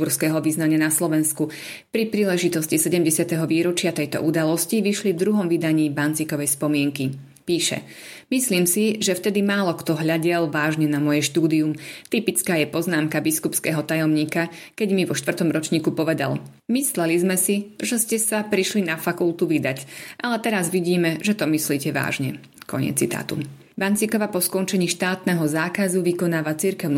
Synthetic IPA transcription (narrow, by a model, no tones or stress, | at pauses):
uɾskɛːɦɔʋiznaɲɪanaslɔʋɛnsku | pɾipɾiːlɛʒit̪ɔscisɛɟɛmɟɛsɪat̪ɛɦɔʋiːɾɔt͡ʃɪat̪ɛjt̪ɔ̰ʔud̪alɔsciʋiʃlivd̪ɾuɦɔmʋid̪aɲiːbant͡sikɔʋɛjspɔmɪɛŋki | piːʃɛ̰ | misliːmsiʒɛft̪ɛd̪imaːlɔkt̪ɔɦʎaɟɛlʋaːʒɲɛnamɔjɛʃt̪uːd̪iumt̪ipit͡skaːjɛpɔznaːmkabiskupskɛːɦɔt̪ajɔmɲiːkakɛɟmiʋɔʃt̪vr̩t̪ɔmɾɔt͡ʃɲiːkupɔʋɛd̪a̰l | mislɛlizmɛsiʒɛscɛsapɾiʃlinafakult̪uʋid̪acʔalɛt̪ɛɾazʋiɟiːmɛʒɛt̪ɔmisliːcɛʋa̰ːʒɲɛ | kɔ̰ɲ̰ɛ̰t͡sːḭt̪a̰ːt̪ṵ | bant͡sikɔʋapɔskɔnt͡ʃɛɲiːʃt̪aːt̪nɛɦɔzaːkazuʋikɔnaːʋat͡siɾkɛʊnu